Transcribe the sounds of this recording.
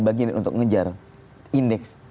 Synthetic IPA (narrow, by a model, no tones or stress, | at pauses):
baɡianʔunt̪ʊ̰kŋəd͡ʒar | indɛks